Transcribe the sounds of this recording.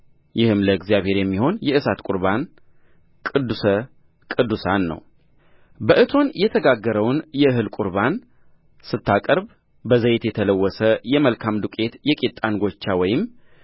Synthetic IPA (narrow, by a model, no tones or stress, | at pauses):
jɪhɨmləɨɡzijaβhe̞ɾjɛmːiho̞njɛɨsat̪kʷʼuɾban | kʼɨd̪ːusə | kʼɨd̪ːusanːə̰w | bəʔɨt̪ʰo̞njɛt̪ʰəɡaɡːəɾəwnjɛɨɦɨlkʼuɾban | sɨt̪ʰːakʼəɾb | bəzəjt̪jɛt̪ʰələwːɔsəjɛməlkʰamd̪ukʼe̞t̪jɛkʼet̪ʼːanɡo̞t͡ʃːawɔjɪm